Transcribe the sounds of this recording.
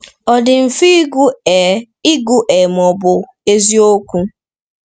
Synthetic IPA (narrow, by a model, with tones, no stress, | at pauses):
ɔ˨dɪ˨m̩˨fi˦ɡ | i˦ɡu˦ʔe˨m˨ɔ˨bʊ˨ | e˦zi˦o˦kʷu˦